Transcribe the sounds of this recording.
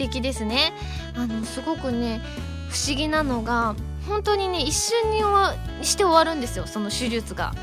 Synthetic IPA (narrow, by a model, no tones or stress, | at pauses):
t̪e̞kʲid̪e̞sɨne̞ | ano̞sɨɡo̞kɯ̟ne̞ | ɸɯ̟̥ɕiɡʲinano̞ɡa | hõ̞nt̪o̞ɲ̟ine̞iɕːɨ̃ɲ̟ːioaɕi̥t̪e̞o̞βaɾɯ̟̃nd̪e̞sɨjo̞so̞no̞ɕɨɾʲɯt͡sɨɡa̰